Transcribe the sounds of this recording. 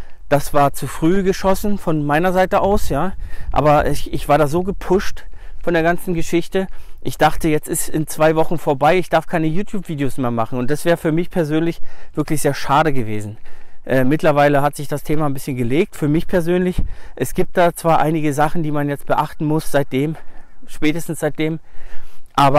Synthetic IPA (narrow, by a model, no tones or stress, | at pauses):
d̥asv̥aːɐt͡sufʁ̥yːɡəʃɔsn̩fɔnmaɪnɐzaɪtəʔaʊsjaːʔa̰ːbɐʔɛçʔɪçv̥aːɐɾaːzoːɡəpʰʊʃtfɔndeːɐɡant͡sn̩ɡəʃɪçtəʔɪçd̥aχtəjɛt͡stɪstɪnt͡sv̥aɪvɔχn̩foːɐbaɪɪçd̥aɐfkʰaɪnəjuːtʰjuːpv̥iːdejosmeːɐmaχn̩ʊnt̚d̥asv̥ɛːʁəfyːɐmɪçpʰɛɐzøːnlɪçv̥ɪɐklɪçz̥eːɐʃaːɾəɡəveːzn̩ʔɛːmɪtlɐvaɪləɦatz̥ɪçd̥astʰeːmanbɪsçənɡəleːk̚tfyːɐmɪçpʰɛɐzøːnlɪçʔɛsɡ̥iːp̚t̚d̥aːt͡sv̥aːɐʔa̰ɪnɪɡəzaχn̩diːmanjɛt͡st̚b̥əʔaχtn̩mʊsz̥aɪt̚d̥eːmʃpɛːtəstn̩sz̥aɪt̚d̥eːm | ʔaːbɐ